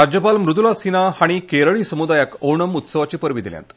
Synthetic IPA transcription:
ad͡ʑjəpalmɾud̪ulasinahaɽ̃ikeɾəɭiːsəmud̪ajakowɳəmut̪səʋat͡ɕiːpəɾʋid̪ilja̰nt̪

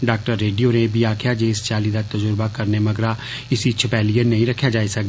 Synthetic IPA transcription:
ɖaːk̚ʈəɾːeːɖijoːnebʱiːaːkʰɪjaːd͡ʒeːɪst͡ʃaːliːd̪aːt̪əd͡ʒʊɾbaːkəɾneːməɡɾaː | ɪsit͡ʃʰəpɛːlijənəĩːɾəkʰːjaːd͡ʒaːisəkd̪

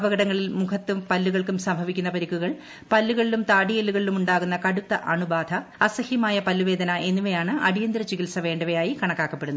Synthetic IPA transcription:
bɐɣɐɽɐŋːɐɭilmukʰɐt̪ːumpɐlːuɣɐɭkumsɐmbʱɐʋikʲːunːɐpɐɾikːuɣɐɭ | pɐlːuɣɐɭilumt̪aːɽijelːuɣɐɭilumuɳɖaːɣunːɐkɐɽut̪ːɐʔɐɳubaːd̪ʱɐɐsɐhjɐmaːjɐpɐlːuʋeːd̪ʱɐnɐʔe̞nːuʋejaːɳɨɐ̰ɽijɐnd̪ɾɐt͡ɕikilsɐʋe̞ːɳɖɐʋɐjaːjikɐɳɐkːaːkːɐpːe̞ɽunːu

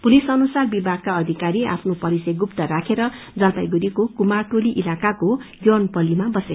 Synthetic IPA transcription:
pulisʌnusarbibʱaɡ̚kaʌd̪ʱikaɾia̰pʰnopʌɾisʌɡupt̪ʌɾakʰeɾʌ | d͡zãt̪ajɡuɾikokumaʈoliʔilakakoɡjonpʌlimabʌse

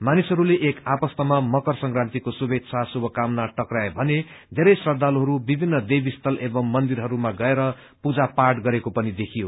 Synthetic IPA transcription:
manisɦʌɾuleʔːkapʌst̪ʌmamʌkʌrsʌŋkrãnt̪ikosubet̪t͡sʰasubʱʌkamnaʈʌkraebʱʌne | d̪ʱeɾʌjsrʌd̪ʱːaloɦʌɾubibʱinːʌd̪ebist̪ʌlebʌŋmʌnd̪iɾɦʌɾumaɡʌeɾʌ | pud͡zapaʈɡʌɾekopʌnid̪ekʰijo

